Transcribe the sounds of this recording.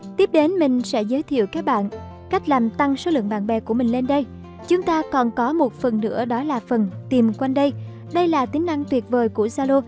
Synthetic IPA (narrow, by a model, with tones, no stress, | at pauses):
t̪i˦˥əp̚ɗe˨˦nmï˨˩ŋ̟sɛ̰˧˥zəː˨˦jt̪ʰḭ˧˨əwkaː˦˥k̚ɓa̰ː˧˨n | ka˦˥jk̟̚laː˨˩mt̪a˧ŋso˨˦lɨ̰˧˨əŋɓa̰ː˧˨nɓɛ˨˦ku˧˩əmï˨˩ŋ̟le˧nɗə˧j | t͡ɕʊ˨˦ŋ͡mt̪aː˧kɔ˨˩nkɔ˨˦mo˨˩t̚fə˨˩nnɨ̰˧˥əɗɔ˨˦laː˨˩fə˨˩nt̪i˨˩mkwa˧jŋɗə˧j | ɗə˧jlaː˨˩t̪ï˨˦ŋ̟na˧ŋt̪wi˨˩ət̚vəː˨˩jkṵ˧˩əsaː˧lo˧